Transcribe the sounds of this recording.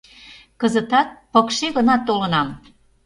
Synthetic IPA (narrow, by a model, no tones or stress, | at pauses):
kəzət̪ɑt̪̚pɤkʃeɣənɑt̪ːolənɑm